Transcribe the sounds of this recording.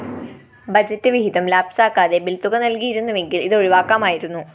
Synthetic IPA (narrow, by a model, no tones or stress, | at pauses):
bɐd͡ʑɐtːɨʋiɦid̪ɐmlaːbsaːkːaːðe̞bilt̪uɣɐnɐlkijiɾunːuʋe̞ŋɡiliðo̞ɻiʋaːkːaːmaːjiɾunːu